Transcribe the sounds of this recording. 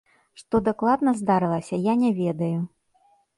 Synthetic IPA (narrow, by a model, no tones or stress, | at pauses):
ʂt̪ɔd̪aklˠad̪nɐzd̪aɾɨlˠɐsʲɐjanʲɛvʲɛd̪ɐju